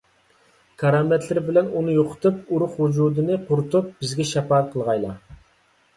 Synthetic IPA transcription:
kʰɑɾɑmɛt̪ʰlɪɾɪbɪlɛnunɨjoqʰʊ̥t̪upuɾʊχhud͡ʒud̪ɨnɨqʰʊɾʊt̪ʰup̚b̥ɪzɡʲɛʃɛpɑɛt̪̚qʰəlˠʁɑjlˠɑ̰

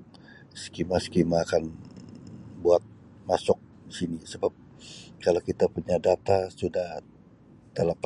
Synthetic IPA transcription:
skimaskimaːkan | buat̪̚ | masʊk̚ | disinisəbap̚ | kalokit̪apuɲadat̪asudah | t̪əlap

